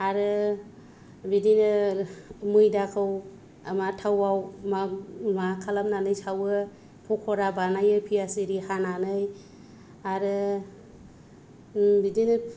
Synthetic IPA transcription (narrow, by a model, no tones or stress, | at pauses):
aɾɯ | bidinɯ | mɯjdakʰɯw | amatʰawawmanakʰalam̚nanɯjsawɯ | pʰɔkʰɔɾabanajɯpʰiasiɾihananɯj | aɾɯ | bidinɯ